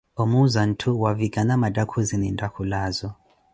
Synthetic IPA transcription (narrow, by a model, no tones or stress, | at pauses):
omuzan̩tʰuwaviɡ̥ʱʼanamadʱʼakʰuzinindʱʼakʰulaːzɔ